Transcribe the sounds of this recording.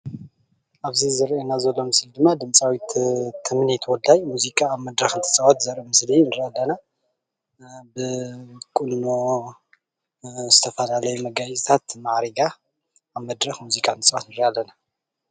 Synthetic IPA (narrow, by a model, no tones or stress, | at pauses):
ʔaβzizɨɾʔenazɐlːo̞mɨslid̪ɨmːad̪ɨmt͡sʼawit̪t̪ʰɨmɨnet̪ʰɐwɔlajmuzikʼaːβmɐd̪ɾɐxɨnt̪ʰɨ̥sʼɐwat̪zɐɾemɨslinɨɾialːɐna | bɨkʼunno | zɨt̪ʰɐfɐlalɐjumɐɡazt̪ʰat̪maʕɾiɡa | aβmɐd̪ɾɐxmuzikʼant̪ʰɨsʼɐwa̰t̪nɨɾʔalːɐna